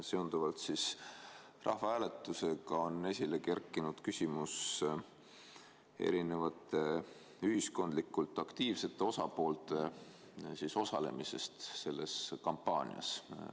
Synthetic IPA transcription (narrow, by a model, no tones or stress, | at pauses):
se̞und̪uvɑlt̪sis | rɑ̰hvɑæːle̞t̪ːˑuse̞ɡɑo̞nːe̞sʲile̞ke̞rkːˑinud̪̥kysʲimus | e̞̰ɾine̞vɑt̪ːˑe̞ | yhisko̞nd̪likːˑult̪ːˑɑkt̪iːvse̞t̪ˑːe̞o̞sɑpo̞ːlt̪ˑe̞ | siso̞sɑle̞̰mise̞̰st̪se̞lːe̞skɑmpːɑ̰ːnʲḭɑ̰s